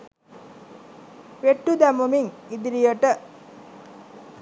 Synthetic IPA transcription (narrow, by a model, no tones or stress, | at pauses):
ʋeʈːud̪æmumiŋid̪iɾijəʈə